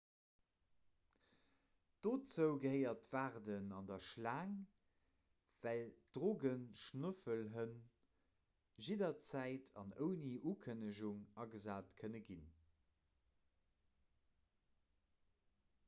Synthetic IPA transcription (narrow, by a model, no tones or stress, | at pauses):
d̥oːt͡səʊɡəhəɪɐtv̥aːʁdənɑndɐʃlaːŋ | v̥æld̥ʁoːɡənʃnəfəlɦən | ʒidɐt͡sæɪtʰɑ̰nəʊniʔuːkʰənəʒuŋɑɡəzaːtkʰənəɡin